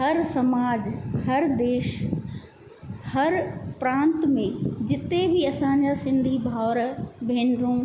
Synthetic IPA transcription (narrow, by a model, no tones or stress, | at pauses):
ɦɐɾsɐmaːd͡ʑhɐɾd̪eːʃ | hɐɾpɾãːnt̪mẽd͡ʑɪt̪ebɪɐsãɲd͡ʑasɪ̃nd̪ʱibʱaʊɾbʱeːnɾũː